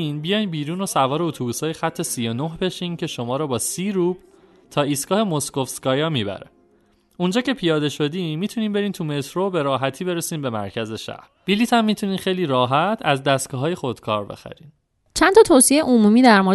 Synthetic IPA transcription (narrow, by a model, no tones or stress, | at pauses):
inbijɒjnbiːɾuːno̞sævɒːɾeot̪ʰubuːshɒːjexæt̪ʰːe̞sijo̞noɦbe̞ʃiːncʰe̞ʃo̞mɒːɾɔːbɒːsiːɾuːb̥ | t̪ʰɒːiːsɡɒːhe̞moskofskɒːjɒːmiːbæ̰ɾḛ | und͡ʒɒːce̞pʰijɒːd̪e̞ʃo̞d̪inmiːt̪ʰuniːnbe̞ɾiːnt̪ʰume̞t̪ʰɾobe̞ɾɒːɦæt̪ʰiːbe̞ɾesiːnbe̞mæ̰ɾcʰæze̞ʃæ̰hɾb̥iliːt̪ʰæmːiːt̪ʰuniːnxejliːɾɒːɦæt̪ʰæzd̪æst̪kɒɦɒːje̞xo̞d̪̥kʰɒ̰ːɾbe̞̰xæ̰ɾiːn | t͡ʃʰænt̪ɒːt̪ʰosiejeʔomuːmiːd̪æɾmoɾ